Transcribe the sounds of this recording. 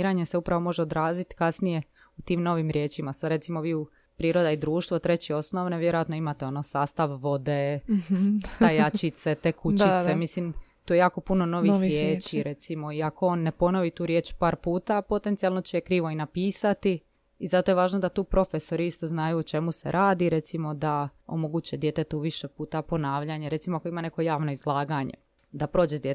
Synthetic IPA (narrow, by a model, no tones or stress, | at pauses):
ɾaɲe̞se̞upɾaʋo̞mo̞ʒeod̪ɾaːzit̪kasnije̞ | ut̪iːmno̞ʋimɾʲjeːt͡ɕimasaɾe̞t̪simoʋiːu | pɾiːɾo̞d̪aid̪ɾuːʃt̪ʋot̪ɾe̞t͡ɕio̞sno̞ʋneʋje̞ɾojat̪no̞imat̪eo̞nosaːst̪aʋːo̞d̪e̞ | st̪ajat͡ʃit̪se̞t̪eːkut͡ɕisemislimt̪uːjejaːko̞puno̞no̞ʋixɾjeːt͡ʃiɾe̞t̪simo̞iakooːnːe̞po̞no̞ʋit̪uːɾje̞ːt͡ʃpaːɾpuːt̪apo̞t̪ent̪sijalˠno̞t͡ɕejekɾiːʋoinapiːsat̪iː | zat̪oje̞ʋaːʒnod̪at̪uːpɾo̞feso̞ɾiist̪o̞znajuot͡ʃe̞muse̞̰ɾʔaːd̪iɾe̞t̪simo̞d̪ao̰moɡut͡ɕed̪je̞t̪et̪uʋiʃepuːt̪apo̞naːʋʎaɲeɾet̪imoakoimane̞ko̞jaːʋno̞izlˠaːɡaɲḛ | d̪apɾo̞ːd͡ʒed̪je